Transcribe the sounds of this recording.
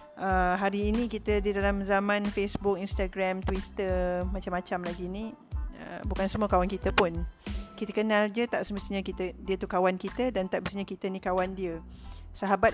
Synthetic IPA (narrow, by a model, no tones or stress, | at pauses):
ʔəɦaɾiːnĩkit̪ədidalamzamãnfesbʊk̚inst̪aɡɾamt̪wit̪əmat͡ʃamːat͡ʃamlaɡini | ə̰bukansəmuəkawankit̪əpʊnkit̪əkənãld͡ʒət̪aʔsəməst̪iɲəkit̪ədiət̪ukawankit̪ədant̪aʔ̚məst̪iɲəkit̪ənikawandiəsaɦabat̪̚